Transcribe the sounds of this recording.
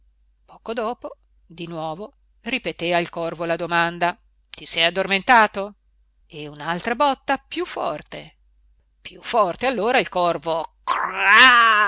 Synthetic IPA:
pɔːkod̪ɔːpo | d̪inwɔːvo | ripet̪eailkɔrvolad̪omand̪a | t̪isɛjad̪ːorment̪aːt̪o | eunalt̪ɾabɔt̪ːapjufːɔ̰rt̪e | pjufːɔrt̪ealːoːɾailkɔrvoka

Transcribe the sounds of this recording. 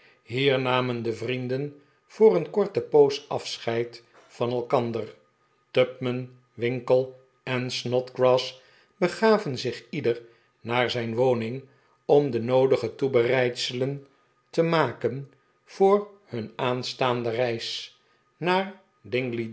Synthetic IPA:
ɦiːɹnaːməndəvrindən | v̥ʊːɾənkɔɹtəpowsʔɑ̰fsχɛjt | fɑnɛlˠkɑndər | tœpmən | ʋɪŋkəlˠ | ɛnsnɔtɡɹɑːs | bəχaːvənzɪχidəɹ | naːɹzɛjnʋownɪŋ | ɔmdənowdəχətubərɛjtsələn | təmaːkən | v̥ʊːrhɵnaːnstaːndərɛjs | naːɹ | dɪŋɡli

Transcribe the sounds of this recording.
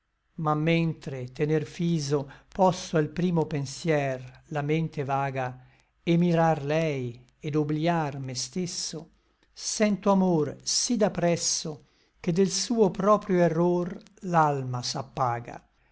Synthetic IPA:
mamːent̪ɾet̪enerfiːzopɔsːoalpɾiːmopensjɛrlament̪evaːɡa | emiɾarlɛj | ed̪obljarmest̪esːo | sɛnt̪oamorsid̪apɾɛsːo | k̟ed̪elsuːopɾɔːpɾjoerːor | lalmasapːaːɡa̰

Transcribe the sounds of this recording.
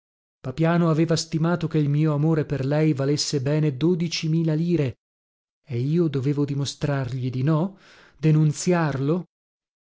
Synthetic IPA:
papjaːnoaveːvast̪imaːt̪okeilmiːoamoːɾeperlɛjvalesːebɛːned̪oːd̪it͡ʃimiːlaliːɾe | eiːod̪oveːvod̪imost̪ɾarʎid̪inɔ | d̪enunt̪sjarlo

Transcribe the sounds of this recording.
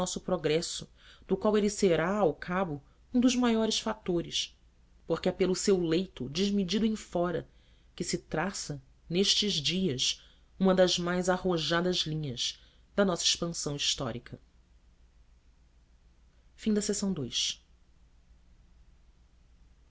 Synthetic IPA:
ɔsʊpɾoɡɾɛsʊ | d̪̥ʊkwaweliseɾaawkʰabʊ | ũd̪ʊʒmajɔɾɪʃfat̪oɾɪs | poχkɪɛpelʊsewlejt̪ʊd͡ʒɪʒmid͡ʒid̪ʊẽj̃fɔɾɐ | kɪsɪt̪ɾasɐ | neʃt͡ʃɪʒd͡ʒiɐʃ | ũmɐd̪ɐzmajzahoʒad̪ɐzlĩɲɐz | d̪ɐnɔsɐiʃpɐ̃sɐ̃w̃iʃt̪ɔ̰ɾikʰɐ | fĩd̪ɐsesɐ̃w̃d̪ojs

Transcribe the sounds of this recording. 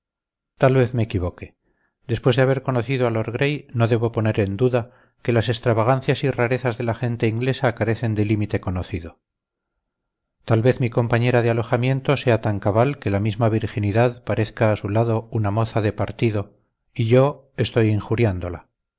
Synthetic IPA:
t̪alβe̞θmeːkiβo̞ke̞ | d̪e̞spwe̞zðeaβ̞e̞ɾko̞noθiðoalo̞ɾɣɾe̞jno̞ðe̞βo̞po̞ne̞ɾe̞nd̪uða | ke̞lase̞st̪ɾaβaɣ̞anθjasiraɾe̞θazðe̞laxe̞nt̪eiŋɡle̞sakaɾe̞θe̞nd̪e̞limit̪e̞ko̞noθiðo̞ | t̪alβe̞θmiko̞mpaɲeɾaðealo̞xamje̞nt̪o̞se̞at̪aŋkaβalke̞lamizmaβ̞iɾxiniðaðpaɾe̞θkaːsulaðo̞unamo̞θaðe̞paɾt̪iðo̞ | iʝo̞ | e̞st̪o̞jiŋxuɾjand̪o̞la

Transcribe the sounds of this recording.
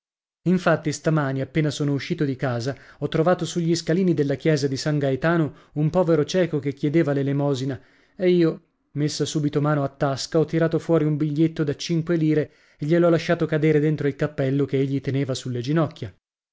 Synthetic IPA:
iɱfat̪ːist̪amaːniapːeːnasoːnouʃːiːt̪od̪ikaːzaɔt̪ːɾovaːt̪osuʎːiskaliːnid̪elːak̟jɛːzad̪isaŋɡajt̪aːno | umpɔːveɾot͡ʃɛːkokekːjɛd̪eːvalelemɔːzina | eiːo | mesːasuːbit̪omaːnoat̪ːaskaɔt̪ːiɾaːt̪ofwɔːɾiumbiʎːet̪ːod̪at͡ʃiŋkweliːɾe | eʎːelɔlːaʃːaːt̪okad̪eːɾed̪ent̪ɾoilkapːɛlːokeeʎːit̪eneːvasulːed͡ʒinɔkʲːja

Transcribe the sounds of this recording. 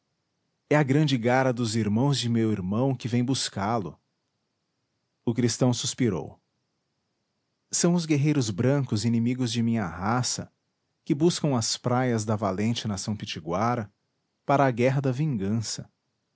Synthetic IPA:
ɛɐɡɾɐ̃nd͡ʒɪɡaɾɐd̪ʊziɾmɐ̃w̃zd͡ʒɪmewiɾmɐ̃w̃kɪvẽj̃buskalʊ̰ | ʊkɾist̪ɐ̃w̃suspiɾo̰w | sɐ̃w̃ʊzɡeɦejɾʊzbɾɐ̃kʊzinemiɡʊzd͡ʒɪmĩɲɐ̰ɦasɐ̰ | kɪbuskɐ̃w̃ɐspɾajɐzd̪ɐvalẽnt͡ʃɪnasɐ̃w̃pit͡ʃiɡwaɾɐ | paɾɐːɡɛɦɐd̪ɐvĩŋɡɐ̃sɐ

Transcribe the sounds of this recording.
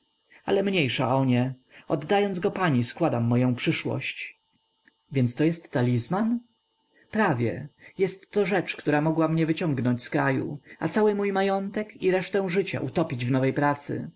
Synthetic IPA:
a̰lɛmɲejʂa̰ʔɔɲɛɔd̪ːajɔnd̪zɡɔpaɲiskwad̪amːɔjɔ̃w̃pʂɘʂwɔ̰ɕt͡ɕ | vʲjɛnt̪st̪ɔjɛst̪ːalʲizman | pɾavʲjɛ̰jɛst̪ːɔʐɛt͡ʂkt̪uɾamɔɡwamɲɛvɘt͡ɕɔŋɡnɔɲt͡ɕskɾajṵa̰t̪sawɘmujmajɔnt̪ɛkiɾɛʂt̪ɛ̃w̃ʐɘt͡ɕa̰ʔut̪ɔpʲid͡ʑvnɔvɛjpɾat̪sɘ̰

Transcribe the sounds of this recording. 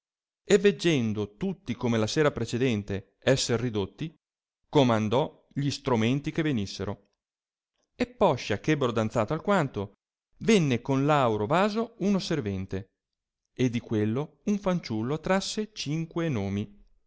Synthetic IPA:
evːed͡ʒːɛnd̪ot̪ut̪ːikomelaseːɾapɾet͡ʃed̪ɛnt̪e | ɛsːerːid̪ot̪ːi | komand̪ɔ | ʎist̪ɾument̪ikevenisːeɾo | epːɔʃːakɛbːeɾod̪ant̪saːt̪oalkwant̪o | venːekonlawɾovaːzounoservɛnt̪e | ed̪ːikwelːo | uɱfant͡ʃulːot̪ɾasːet͡ʃiŋkwenoːmi

